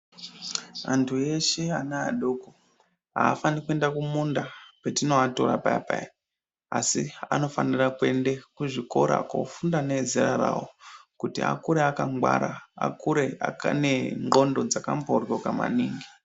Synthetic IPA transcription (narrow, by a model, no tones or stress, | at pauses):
antʰue̞ʃe̞anaaɗoːko | ɦaːfanikuendakumundapetino̞ato̞ɾapapai | asia̰no̞fanirakue̞ndekuʐiko̞ɾa̰ko̰fundane̞zirara̰wokutia̰kuɾeakaŋɡwa̰ɾaa̰kuɾe̞a̰kane̞ŋɡo̞ndo̞d͡zakamporɡokama̰niːŋɡi